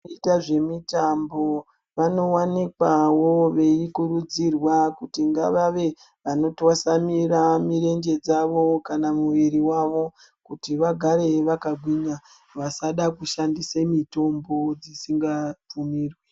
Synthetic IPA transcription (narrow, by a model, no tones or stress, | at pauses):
itaʐe̞mitambo̞ | ʋano̞wanikwawoʋe̞ikurud͡zirwakutiŋɡaʋaʋe̞ | ʋano̞twasamiramiɾe̞nd͡ʒe̞d͡zaʋo̞kanamuʋiriwaʋo̞ | kutiʋaɡʱaɾe̞ʋakaɡʱwiɲa | ʋasaɗakuʃandisemito̞mbo̞d͡zisiŋɡap͡fumiːrwe